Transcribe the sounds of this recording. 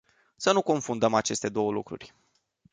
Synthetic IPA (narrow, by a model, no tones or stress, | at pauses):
sənuko̞nfund̪əmat͡ʃe̞st̪e̞d̪o̞wəlṵkɾṵrʲ